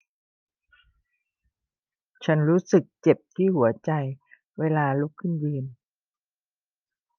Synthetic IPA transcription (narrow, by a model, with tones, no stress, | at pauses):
t͡ɕʰa˦˥nɾuː˦˥sɯ˨˩k̚t͡ɕe˨˩p̚t̪ʰiː˥˩hu˩˦ɐt͡ɕa˧j | weː˧laː˧lu˦˥kʰːɯ˥˩njɯː˧n